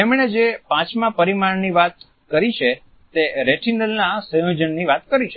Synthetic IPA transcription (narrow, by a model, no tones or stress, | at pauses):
emɳed͡ʒepãt͡ʃmãpəɾimaɳniʋat̪̚ | kəɾit͡ʃʰe | t̪eɾeʈʰinəlnasə̃jod͡ʒənniʋat̪kəɾiʃʰə